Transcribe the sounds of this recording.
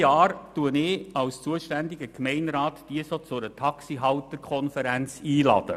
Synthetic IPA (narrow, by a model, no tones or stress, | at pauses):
jɑːrtuənɪɑlst͡suəʃtændɪɡəkmɛɪnɾɑːtd̥iəsot͡sʊɾətʰɑksiɦɑwtəɾkʰɔnfəɾænt͡siːlɑ̰d̥ə̰